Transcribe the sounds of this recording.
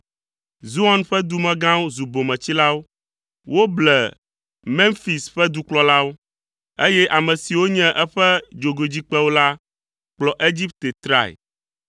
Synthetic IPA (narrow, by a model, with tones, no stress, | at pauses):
zu˦a˦nɸɛ˦d̪u˦mɛ̃˦ɡã˦wo˦zu˨bo˨mɛ̃˨t͡ɕi˦la˦wo˦ | wo˦blɛ˨ | mɛ̃˦nfi˨sɸɛ˦d̪u˦k͡plɔ˦la˦wo˦ | e˦jɛ˦ʔa˨mɛ̃˨si˨wo˦ɲɛ̃˦ʔɛ˦ɸɛ˦d͡ʒo˨ɡo˨d͡ʑi˦k͡pɛ˦wo˦la˦ | k͡plɔ˨ʔe˦d͡ʑi˦p̚t̪e˨t̪ɾa̰˦˨ɛ̰˨